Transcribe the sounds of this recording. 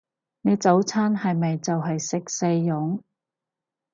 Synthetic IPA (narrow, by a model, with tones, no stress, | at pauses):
ne˨˧jt͡sɐ˨˥wt͡sʰaː˥nhɐ˨jmɐ˨jt͡sɐ˨wɦɐ˨jsɪ˨k̚se˧jːʊ˨˥ŋ